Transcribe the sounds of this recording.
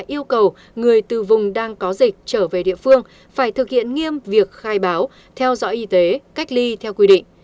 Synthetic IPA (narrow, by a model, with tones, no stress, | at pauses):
jʔi˧əwkə˨˩w | ŋɨ˨˩əjt̪ɨ˨˩vʊ˨˩ŋ͡mɗaː˧ŋkɔ˨˦zï˨˩k̟̚t͡ɕəː˧˩ve˨˩ɗḭ˧˨əfɨ˧əŋ | faː˧˩jt̪ʰɨ˨˩k̚hḭ˧˨ənŋi˧əmvi˨˩ək̚xaː˧jɓaː˨˦w | t̪ʰɛ˧wzɔ̰˧˥ʔi˨˦t̪e˨˦ka˦˥k̟̚li˧t̪ʰɛ˧wkwi˧ɗḭ̈˧˨ŋ̟